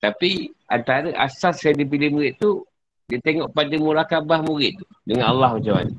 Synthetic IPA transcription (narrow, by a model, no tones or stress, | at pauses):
t̪apiant̪aɾəʔa̰sasajadip̬ilɪhmuɾɪt̪ːu | dit̪eŋɔʔpadəmulakabahmuɾɪt̪̚ːu̥ | dəŋanalːahməɲt͡ʃama̰n